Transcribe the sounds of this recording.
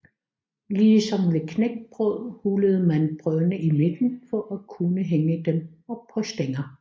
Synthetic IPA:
liːsɒ̽mʋe̝kʰneɡ̥̚b̥ʁœð̰ˠhuləð̞̩ˠmænb̥ʁœnəʔime̝d̥n̩fɒ̽ʔækʰunəɦeŋəd̥emɒ̽pʰɒ̽sd̥eŋɐ

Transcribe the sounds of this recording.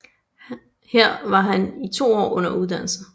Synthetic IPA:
heɐ̰ʋɑ̈ɦænit͡sʰo̝̰ːɒ̰ːɔ̽n̰ɐuð̞ˠd̥æn̰l̩sə

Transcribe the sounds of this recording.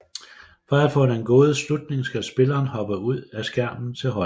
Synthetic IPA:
fɒæfɔ̰̽nəenɡ̥o̝ːð̞̩ˠslud̥̚ne̝ŋsɡ̥æsb̥e̝lɐːnhɒ̽b̥əuð̞̰ˠæsɡ̥æɐ̰mn̩t͡sʰe̝lɦɒ̽

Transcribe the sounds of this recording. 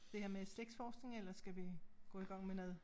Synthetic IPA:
d̥e̝heɐmeseɡ̥sfɒːsɡ̥ne̝ŋelɐsɡ̥æʋiɡ̥ɔ̰ːiɡ̥ɑ̈ŋ̰menɛðˠ

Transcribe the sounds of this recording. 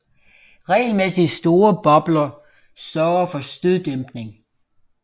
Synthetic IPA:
ʁɛ̰ːɪlmesisd̥o̝ːɐb̥ɒ̽b̥lɐ | sɶɐɐfɒ̽sd̥yðˠd̥emb̥ne̝ŋ

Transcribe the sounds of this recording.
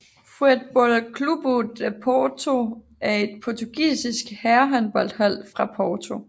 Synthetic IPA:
fud̥̚b̥ɒlkʰlub̥odpʰɒːt͡sʰo̝ | æɐe̝d̥̚pʰɒt͡sʰuɡ̥ḭːsisɡ̥hæɐɦænb̥ɒ̽l̰d̥hæl̰fʁɑ̈pʰɒːt͡sʰo̝

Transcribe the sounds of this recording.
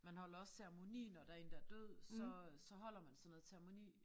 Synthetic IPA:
mænhɒ̽l̰ɐɒ̽sseʁemo̝nḭːnɒd̥æɐe̝ːnd̥æɐd̥øð̰ˠsɒ̽sɒ̽ɦɒ̽l̰ɐmænsɒ̽nːoð̩ˠseɐmo̝nḭː

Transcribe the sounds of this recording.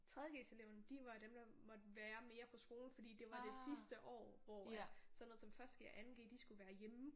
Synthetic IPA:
t͡sʰʁɛð̞ˠjəɡ̥ḛːse̝leʊnəd̥iʋɑ̈d̥emd̥ɑ̈mɒ̽d̥əʋæːɐme̝ːɐpʰɒ̽sɡ̥o̝ːln̩fɒ̽d̥ḭːd̥e̝ʋɑ̈d̥e̝sisd̥əʔɒ̰ːʋɒ̰sɒ̽nːɔðˠsɒ̽mfɶɐsd̥ɡ̥eʔænɡ̥ḛːd̥isɡ̥uʋæːɐjem̩

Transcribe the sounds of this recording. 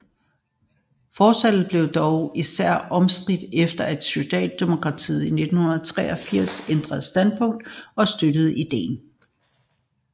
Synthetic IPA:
fɒːsæl̥ð̩ˠb̥le̝ʊd̥ɒʊisæɐ̰ʔɒ̽msd̥ʁid̥efd̥ɐed̥syd̥ɛ̰ːd̥ːe̝mo̝kʰʁɑ̈t͡sʰḭːð̩ˠine̝d̥n̩hunɐð̩ˠt͡sʰʁɛ̰ːɒ̽fiɐ̰send̥ʁɐð̞̩ˠsd̥æn̰d̥̚pʰɔ̽ŋ̰d̥ɒ̽sd̥ød̥əð̞̩ˠid̥e̝̰ːn

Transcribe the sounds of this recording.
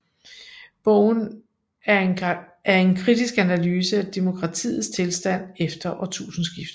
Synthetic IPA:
b̥ɔʊ̰n | æɐe̝nkʰʁid̥isɡ̥ænælyːsəæd̥emo̝kʰʁɑ̈t͡sʰḭːð̩ˠst͡sʰe̝lsd̥æn̰efd̥ɐʔɒt͡sʰṵːsn̩sɡ̥ifd̥ɐ

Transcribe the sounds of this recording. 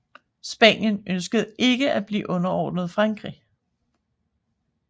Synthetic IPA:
sb̥ænjənʔønsɡ̥əð̞̩ˠe̝ɡ̥əʔæb̥lḭːʔɔ̽nɐɒːd̥nð̞ˠfʁɑ̈ŋɡ̥ʁḭ

